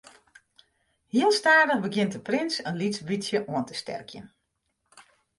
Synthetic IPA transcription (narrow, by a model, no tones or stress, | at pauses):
hiəlˠstaːdəɣbəɡjɪntdəprɪnsənlisbitsjəʔuəntəstɛ̰rkʰjə̰n